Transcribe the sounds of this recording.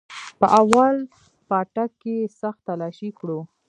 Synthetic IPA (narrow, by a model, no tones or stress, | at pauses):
pəʔawal | pɑʈakːesaxt̪ːalɑʃikɽu